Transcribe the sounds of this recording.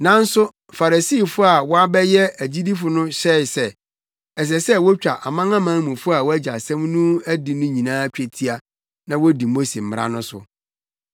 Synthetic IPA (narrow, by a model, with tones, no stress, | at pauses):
nã˦n̩˦sʊ˦ | fa˨ɾa˨si˦˨fʊ˦a˨wɔ˦a˦bɛ˦jɛ˦æ˨d͡ʑi˦di˦fʊ˦nʊ̃˦ɕɛ˦ɪ˨sɛ˦ | ɛ˨s̬ɛ˨sɛ˦wɔ˦t͡ɕᶣa˨ʔa˨mã˦ŋã˦mã˦mũ˨fʊ˦a˨wɔ˦æ˦d͡ʑa˨sɛ̃˦mnũ˦æ˦di˨nʊ̃˦ɲĩ˨nãː˦t͡ɕᶣɛ˨tʰi˦a˨ | nã˨wɔ˦di˨mo˦se˨m̩˨˦ɾa̰˦nʊ̃˦sʊ̰˨